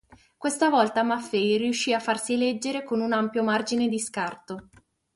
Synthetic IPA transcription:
kwest̪avɔlt̪amafːɛjriuʃːiafːarsilɛd͡ʒːeɾekonunampjomard͡ʒined̪iskart̪o

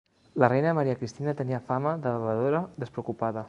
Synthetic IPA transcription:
lərejnəməɾiəkɾist̪inət̪əniəfaməðəβəβəðoɾəðəspɾəukupaðə

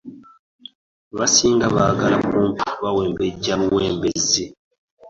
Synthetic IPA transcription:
βasiːŋɡaβaɡaɾakuːmpu̥βaweːmbeɟaβuweːmbezi

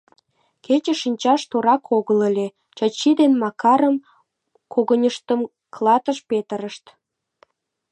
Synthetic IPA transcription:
ket͡ɕə̆ʃinʲt͡ɕɑʃt̪oɾɑkʰoɣələlʲe | t͡ɕɑt͡ɕːid̪enmɑkɑɾəm | kʰoɣənʲəʃt̪əm | klˠɑt̪əʃpet̪ə̆ɾəʃt̪

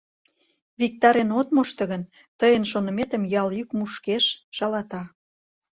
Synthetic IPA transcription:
βik̚t̪ɑɾenot̪moʃt̪ɤ̆ɣən | t̪əjənʃonə̆met̪ə̆mjɑljykmuʃkeʃʃɑlɑt̪ɑ

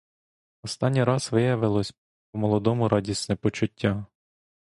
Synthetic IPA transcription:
ɔst̪ɑnʲːiɾɑsʋɪjɐʋɪlˠɔsʲ | ɔmɔlˠɔd̪ɔmʊɾɑdʲisnɛpɔt͡ʃʊtʲːa

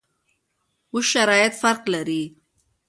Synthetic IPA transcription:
wʊʃʃaɾɑjɪt̪faɾqlaɾi

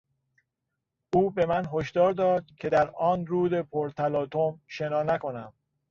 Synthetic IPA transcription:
ʔuːbe̞mænɦo̞ʃd̪ɒːɾd̪ɒːd̪̥̚cʰe̞d̪æɾɒːnɾuːd̪e̞pʰoɾt̪ʰælɒːt̪ʰomʃe̞nɒːnæko̞næm

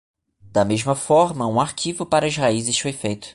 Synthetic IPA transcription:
d̪̥ɐmeʒmɐfɔɾmɐũaɾkʰivʊpaɾɐzhaizɪʃfojfejt̪ʊ̥

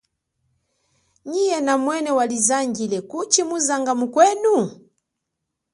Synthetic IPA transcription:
ɲijɛnamwɛnɛwalizaŋɡilɛkut͡ʃimuzaŋɡamukwɛnu

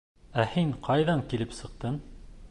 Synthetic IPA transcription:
æhiŋqʰɑjðɑŋkilɘpsɤ̆q̚t̪ɤm

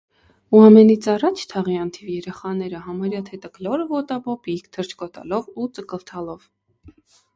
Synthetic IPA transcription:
uɑmɛnit͡sʰɑrɑt͡ʃʰt̪ʰɑʁiɑnt̪ʰivjɛɾɛχɑnɛɾəɦɑmɑɾjɑt̪ʰɛt̪əklɔɾəvɔt̪ɑbɔpikt̪ʰəɾt͡ʃʰkɔt̪ɑ̰lɔvut͡səkəlt̪ʰɑlɔv̥

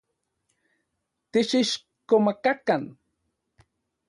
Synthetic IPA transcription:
t̪iʃiʃ | komakakan

